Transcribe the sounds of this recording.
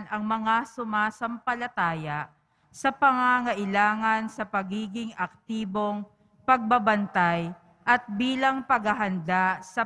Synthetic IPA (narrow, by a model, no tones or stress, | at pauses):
nʔɐŋmɐŋasʊmaːsɐmpɐlɐt̪aːjɐ | sɐpɐŋaŋɐʔɪlaːŋɐnsɐpɐɡiːɡɪŋɐk̚t̪iːbo̞ŋ | pɐɡ̚bɐbɐnt̪aj | ʔɐt̪̚biːlɐŋpɐɡhɐɦɐnd̪asɐ